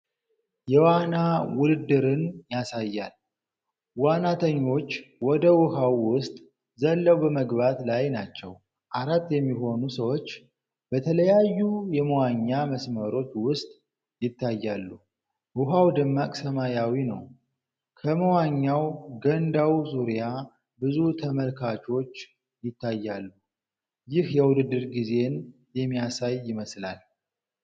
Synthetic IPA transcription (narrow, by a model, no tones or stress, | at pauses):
jɛwanawʊlɨd̪ːɨɾɨnjasajːa̰l | wanat̪ʰəɲːo̞t͡ʃːwɔd̪əwʊhawːʊst̪ʼ | zəlːəwbəməɡβat̪lajnat͡ʃːɛ̰w | ʔaɾat̪ːjɛmːiɦo̞nusəwo̞t͡ʃː | b̥ət̪ʰələjajːujɛməwaɲːaməsməɾo̞t͡ʃːwʊst̪ʼ | jɪt̪ʰːajːalːu | ʔuɦawd̪ɨmːakʼsəmajawinə̰w | kʰəməwaɲːawɡənd̪awzuɾija | bɨzut̪ʰəməlkʰat͡ʃo̞t͡ʃː | jɪt̪ːajːalːu | jɪhjɛwʊd̪ɨd̪ːɨɾɡize̞n | jɛmːijasajːɪməsla̰l